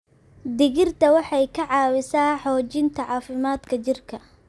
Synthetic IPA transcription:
d̪ɪɣɪrt̪ʰɐwɑħɑjkʰɐʕɑːwɪsaːħɔːt͡ʃɪnt̪ʰɐʕɑːfɪmaːd̪kʰɐt͡ʃɪrkʰɐ

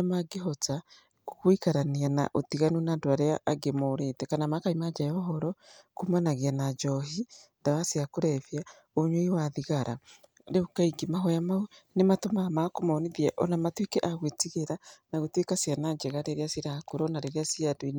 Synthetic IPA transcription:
amaɡeɦɔta | kukwikaɾaniana̰ʔotiɣanunadwaɾeaːɡemoɾetɛkanamakaimad͡ʒajɔɦɔɾɔkumanaɣianad͡ʒɔɦindaβasiakuɾɛvja | oɲoiwaðiɣaɾa̰ | ɾeukaiɡimaɦɔjamaunematomamakomaoniðjaʔɔnamatwekeʔaɣwetiɣeɾanaɣotwekasianad͡ʒeɣaɾeɾiasiɾakuɾɔnaɾeɾiasiadoin

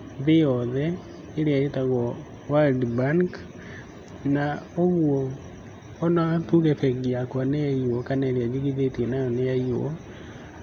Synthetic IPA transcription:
ðejɔðɛ | eɾeaetaɣɔ | waldbaŋk | naoɣwɔː | naatuɣɛfɛɣiakwaneaiwɔkanaeɾead͡ʒiɣiðetiɛnajɔnejaiwɔ

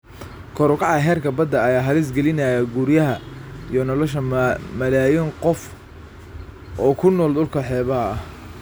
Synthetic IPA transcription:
kʰɔɾʊkʰɑʕɐɦɛːrkʰɐbɐd̪ːɐɐjaːɦɐlɪs̬ɡɛlɪnɐjɐɡuɾjɐɦɐijɔnɔlɔʃɐmɐlaːjɪŋqɔf | ʔɔːkʰʊnɔːld̪ʊlkʰɐħɛːβɐɐɐ

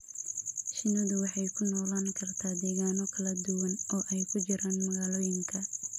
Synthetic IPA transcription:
ʃɪnɐðʊwɑħɑjkʰʊnɔːlaːŋkʰɐrt̪ʰaːd̪ɛːɣaːnɔkʰɐlɐd̪ʊwɐnɔːʔɛjkʰʊt͡ʃɪɾʔaːnmɐɣaːlɔːjɪŋkʰɐ

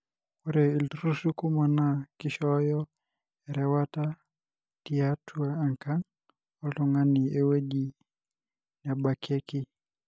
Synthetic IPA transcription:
kuɾɛiltɾusukumanakiʃɔjɔ | ɛɾɛwata | tiatʰuaːŋkan | ɔltɔŋaniewed͡ʒi | nabakʰeki

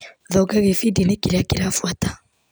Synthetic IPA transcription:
ðɔɡaɣefidinekiɾakiɾafwatḁ

